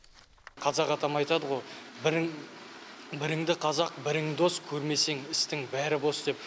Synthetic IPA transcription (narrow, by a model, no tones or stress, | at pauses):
qʰɑzɑqɑt̪ɑmɑjt̪ɑd̪əʁo̞j | bɪɾɪŋd̪ɪqʰɑzɑq̚bɪɾɪŋd̪o̞skʲʰɵɾme̞se̞ŋɪst̪ɪŋbæɾɪbo̞sd̪e̞p̚